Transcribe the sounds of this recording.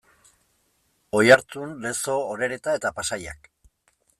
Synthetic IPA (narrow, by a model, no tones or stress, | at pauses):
o̞jaɾt͡s̪unle̞so̞ːɾe̞ɾe̞t̪ae̞t̪apasaja̰k